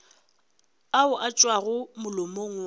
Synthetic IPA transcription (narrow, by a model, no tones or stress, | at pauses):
aʊʔat͡ʃʼwaɣʊmʊlʊmoŋ̩w